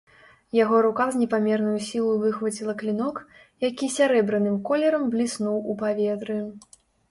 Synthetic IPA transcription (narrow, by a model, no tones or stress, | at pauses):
jaɣɔɾukazʲnʲɛpamʲɛrnujusʲilˠɐjuvɨxvɐt͡sʲilˠɐklʲinɔk | jakʲisʲaɾɛbɾɨnɨmkɔlʲɛɾɐmblʲisnuwupavʲɛt̪ɾɨ